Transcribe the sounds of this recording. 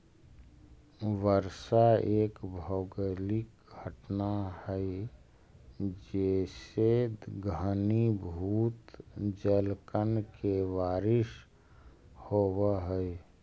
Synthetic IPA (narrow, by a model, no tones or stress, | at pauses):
ʋəɾsaeːkbʱəɡəlɪk̚ | ɡʱəʈnahəi | d͡ʒeseɡʱənibʱuːt̪d͡ʒəlkənkeʋaːɾɪʃ | howəɦə